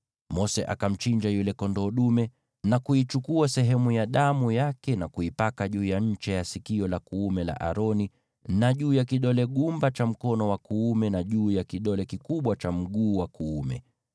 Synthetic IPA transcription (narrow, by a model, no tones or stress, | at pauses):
mɔsɛʔa̰kam̩t͡ʃiɲd͡ʒajulɛkɔndɔːɗumɛ | nakuit͡ʃukuasɛɦɛmujaɗamujakɛnakuipakaʄuːjaɲ̩t͡ʃɛjasikiɔlakuumɛla̰ʔa̰ɾɔni | naʄuːjakiɗɔlɛɠumbat͡ʃam̩kɔnɔwakuumɛnaʄuːjakiɗɔlɛkikuɓwat͡ʃam̩ɠuːwakuːmɛ̰